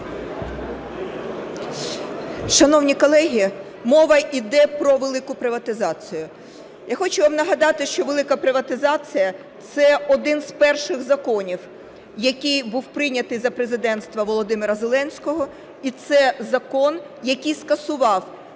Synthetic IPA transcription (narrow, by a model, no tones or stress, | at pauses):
ʃɐnɔwnʲikɔlˠɛɦʲi | mɔʋɐʔid̪ɛpɾɔʋelˠɪkʊpɾɪʋɐt̪ɪzɑt͡sʲijʊ | jaxɔt͡ʃʊʋɑmnɐɦɐd̪ɑt̪ɪʃt͡ʃɔʋelˠɪkɐpɾɪʋɐt̪ɪzɑt͡sʲijɐ | t̪sɛɔd̪ɪnz̥pɛrʃɪɣzɐkɔnʲiw | jɐkʲijbuwpɾɪnʲɐt̪ɪjzɐpɾezɪd̪ɛnt̪st̪ʋɐʋɔlˠɔd̪ɪmɪɾɐzelˠɛnʲsʲkɔɦɔ | it̪sɛzɐkɔn | jɐkʲijskɐsʊʋɑw